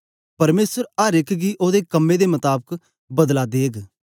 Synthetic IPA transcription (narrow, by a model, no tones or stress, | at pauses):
pɐɾmeːsəɾəɾɪkɡiːʔoːd̪eːkəmːẽd̪eːmət̪aːbək | bəd̪lad̪eːɡ